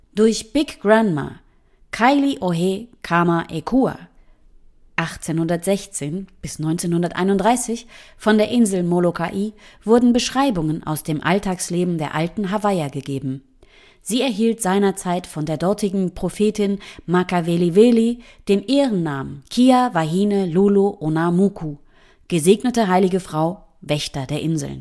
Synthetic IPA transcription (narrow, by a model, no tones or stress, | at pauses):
d̥ʊɐçb̥ɪkɡ̥ʁanma̰ | kʰaɪliʔoɦekʰamaʔekʰua̰ | ʔaχt͡seːnhʊndɐtz̥ɛçt͡seːnb̥ɪsnɔʏnt͡seːnhʊndɐtʔa̰ɪnʊntd̥ʁaɪsɪçfɔndeːɐʔɪnzl̩molokʰaʔiːv̥ʊɐdn̩bəʃʁ̥aɪbʊŋənʔa̰ʊsd̥eːmʔa̰ltʰaːksleːbm̩deːɐʔaltn̩ɦavaɪɐɡəɡeːbm̩ | z̥iːɛɐɦiːltz̥aɪnɐt͡saɪtfɔndeːɐdɔɐtɪɡŋ̩pʁ̥ofeːtɪnmakaveliveːli | d̥eːmʔeːʁənːaːmənkʰiːavahiːnəluːloʔonamukʰu | ɡ̥əzeːɡnətəɦaɪlɪɡəfʁ̥aʊ | vɛçtɐdeːɐʔɪnzl̩n